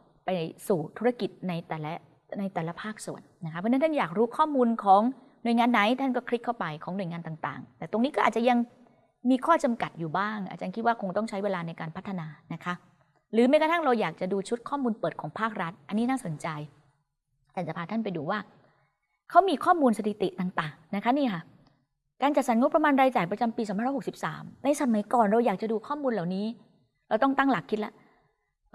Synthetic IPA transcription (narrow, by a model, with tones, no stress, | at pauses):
pa˧jsuː˨˩t̪ʰu˦˥ɾa˧ki˨˩t̪̚na˧jt̪ɛː˨˩lɛ˦˥ | na˧jt̪ɛː˨˩la˦˥pʰaː˥˩k̚sṵ˨˩ənːa˦˥kʰa˦˥pʰɔ˥˨na˥t̪ʰa˥˩jaː˨˩k̚ɾuː˦˥kʰɔː˥˩muː˧nkʰɔː˩˦ŋ | nu˨˩əjŋaː˧nːa˩˦jt̪ʰa˥˩nkɔː˥˩kʰɾi˦˥kʰːa˥˩wpa˧jkʰɔː˩˦ŋnu˨˩əjŋaː˧nt̪aː˨˩ŋt̪a̰ː˨˩ŋt̪ɛː˨˩t̪o˧ŋniː˦˥kɔ˥ʔaː˨˩t͡ɕa˨ja˧ŋ | miː˧kʰɔː˥˩t͡ɕa˧mka˨˩t̪̚juː˨˩baː˥˩ŋʔa̰˧˨˩t͡ɕaː˧nkʰi˦˥waː˥˩kʰo˧ŋt̪ɔ˥˩ŋt͡ɕʰa˦˥jweː˧laː˧na˧jkaː˧npʰa˦˥t̪ʰːa˧naː˧na˦˥kʰa˦˥ | ɾɯː˨˩˦ma˧˩jkʰa˨˩t̪ʰa˥˩ŋɾa˧wjaː˨˩k̚t͡ɕa˨˩duː˧t͡ɕʰu˦˥t̪̚kʰɔː˥˩muː˧npɤː˨˩t̪̚kʰɔː˩˦ŋpʰaː˥˩k̚ɾa˦˥t̪̚ʔa˧nːiː˦˥naː˥˩so˨˩˦nt͡ɕa˧j | t͡ɕɛː˨˩nt͡ɕa˨˩pʰaː˧˩t̪ʰnpa˧jduː˧waː˥˩ | kʰa˦˥wmiː˧kʰɔː˥˩muː˧nsa˧t̪ʰi˨˩t̪i˨˩t̪a˨˩ŋt̪aː˨˩ŋna˦˥kʰa˦˥niː˥˩kʰa˥˩ | kaː˧nt͡ɕa˨˩t̪̚sa˩˦nŋo˦˥pɾa˧maː˧nɾaː˧jt͡ɕaː˨˩jpɾa˧t͡ɕa˧mpiː˧sɔː˨˩˦pa˧˨˦hksi˨˩p̚saː˩˦mna˧jsa˧ma˨˦jkɔː˨˩nɾa˧wjaː˨˩k̚t͡ɕa˨˩duː˧kʰɔː˥˩muː˧nla˨˩wniː˦˥ | ɾa˧wt̪ɔ˥˩ŋt̪a˥˩ŋla˨˩kʰːi˦˥t̪̚la̰˦˥ʔ